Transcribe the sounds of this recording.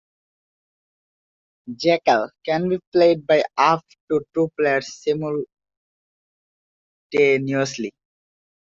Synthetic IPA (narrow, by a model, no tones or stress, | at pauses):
d͡ʒɛkəlkɛ̃nbipleɪɖ̚baɪaf | ʈuʈupleəɾsːimul | ʈenjusli